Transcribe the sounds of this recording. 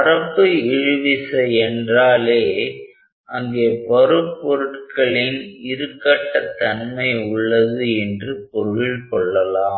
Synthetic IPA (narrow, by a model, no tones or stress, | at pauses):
ɐɾɐpːɯɪɻɯʋɪsɐɛndraːleː | ʔɐŋɡeːpɔɾɯpːɔɾɯʈkɐɭɪnɪɾɯkːɐʈːɐt̪ːɐnmɐɪʊɭːɐðɯɛndrɯpɔɾɪlkɔɭːɐlaː